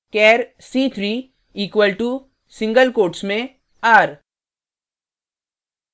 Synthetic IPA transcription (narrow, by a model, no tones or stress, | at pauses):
kɛːɾ | siːt̪ʰɾiː | iːkwəlʈu | sɪ̃ŋɡəlkoːʈsmẽ | aːɾ